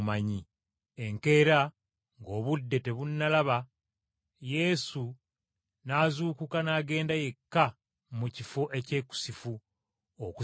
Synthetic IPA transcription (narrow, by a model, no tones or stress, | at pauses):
maɲi | e̞ŋke̞ɾa | ŋɡo̞ːβudːe̞te̞βunːalaβa | je̞su | naːzuːkukanaːɡe̞ːndaje̞kːa | mucifo̞ʔe̞ce̞ːku̥sifu | oku